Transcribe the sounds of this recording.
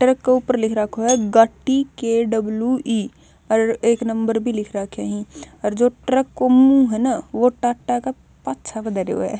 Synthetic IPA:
ʈɾəkːeuːpəɾlɪkʰɾakʰoɦɛɡaːʈːikeɖɐbljuʔiː | ɔːɾeːknɐ̃mbəɾbʱilɪkʰɾakʰaːɦĩ | ɔːɾd͡ʒoːʈɾəkːomũɦɛnaʋoʈaːʈːaka | patːt͡ʃʰakd̪ɐɾeo̰ɦɛ̰ː

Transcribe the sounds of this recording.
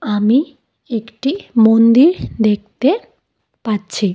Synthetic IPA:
ami | ekʈimond̪iɾd̪ek̚ʰt̪e | patːt͡ɕʰi

